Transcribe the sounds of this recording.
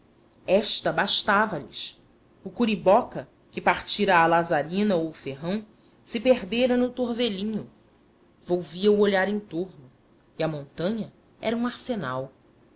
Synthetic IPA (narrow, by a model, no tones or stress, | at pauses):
ɛʃt̪ɐbaʃt̪avɐʎɪ̰ʃ | ʊkuɾibɔkɐ | kɪpaɾt͡ʃiɾɐːlazaɾĩnɐofeɦɐ̃w̃ | sɪpeɾd̪eɾɐnʊt̪oɾveʎĩɲʊ | vowviɐuoʎaɾẽt̪oɾnʊ | iɐmõnt̪ɐ̃ɲɐ | ɛ̰ɾɐũaɾsena̰w